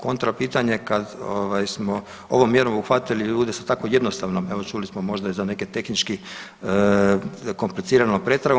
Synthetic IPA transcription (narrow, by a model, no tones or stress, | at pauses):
ko̞nt̪ɾapiːt̪aɲe̞kad̪o̰ːʋajsmo | o̞̰ʋomːjeɾomuxʋat̪iliʎuːd̪esat̪ako̞je̞d̪nost̪aʋnome̞ʋo̞t͡ʃulismomo̞ʒd̪aizane̞ke̞t̪e̞xnit͡ʃki | ko̞mplit̪siːɾanopɾet̪st̪ɾa